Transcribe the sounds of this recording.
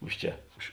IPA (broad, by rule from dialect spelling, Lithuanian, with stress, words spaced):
ˈʊʃ ˌt͡ʃʲɛ ʊʃ